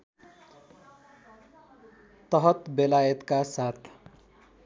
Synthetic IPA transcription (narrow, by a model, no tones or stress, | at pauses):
t̪ʌɦʌt̪belajʌt̪kasat̪ʰ